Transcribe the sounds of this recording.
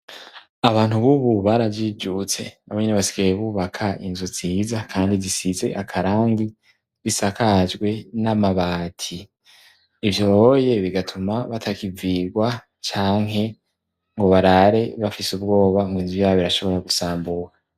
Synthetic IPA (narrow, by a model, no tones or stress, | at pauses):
aβaːn̥huβuβuβaɾavid͡ʒut͡se̞naβoɲineβasi̥ɡajeβuːβakʰaḭnzuziːzakʰaːndizisize̞̰ʔakʰaɾaːŋɡi | βisakad͡ʒɡwe̞namaβatʰiː | vjoje̞βiɡatʰumaβatʰakiviɡwa | t͡ʃaːŋɦe̞ | ŋɡo̞βaɾaɾe̞βafisub̚ɡo̞ːβaŋɡiːnzujaːβiɾaʃo̞βo̞ɾaɡusaːmbuɾa